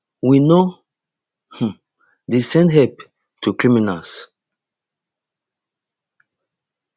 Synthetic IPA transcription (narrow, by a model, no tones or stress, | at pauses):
wino | h̩ | desɛ̃ndɦɛp̚ | tʰukɹiminals